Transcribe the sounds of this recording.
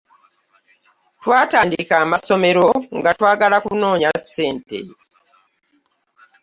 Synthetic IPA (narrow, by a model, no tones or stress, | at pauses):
twaːtaːndikaːmaso̞me̞ɾo̞ŋɡatwaːɡalakuno̞ːɲasːe̞ːmpḛ